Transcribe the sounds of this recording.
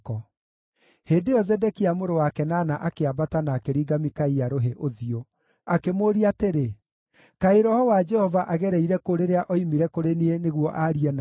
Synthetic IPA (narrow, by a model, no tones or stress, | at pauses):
kɔ | heːndejɔzɛdɛkiamoɾowakɛnaːnaʔakeabatanakeɾiːɡamikaijaɾoɦeʔoðio | akemoɾiateɾe | kaeɾɔhɔwad͡ʒɛhɔvaʔaɣɛɾɛiɾɛkoɾeɾeaʔɔimiɾɛkoɾenieneɣwɔʔaɾiɛna